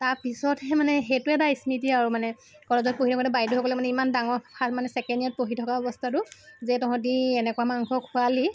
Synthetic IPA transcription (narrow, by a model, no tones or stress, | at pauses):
taɹpisɔthɛmanɛxetʊɛtaismitiaɹumanɛ | kɔɹɔzɔt̚poɦitʰɔkaɾubajduɦɔkɔlɛmanɛimandaŋɔɹpʰamanɛsɛkɛndijat̚poɦitʰɔkaɔbɔstʰatʊzɛtɔɔ̃t̬iɛnɛkuamaŋkʰɔkʰʊali